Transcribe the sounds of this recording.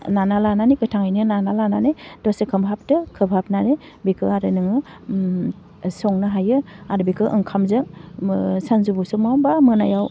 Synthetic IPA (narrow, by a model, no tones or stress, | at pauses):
nanalananikɯtʰaŋajnɯnanalananedɔsekʰɯmbɦap̚tɯkʰɯbhap̚nane | bikʰɯaɾɯnɯŋɯ | sɔŋnɯɦajɯaɾbikʰɯʔɯ̰ŋkʰamzɯŋ | sanzubusɯmawbamɯnajaw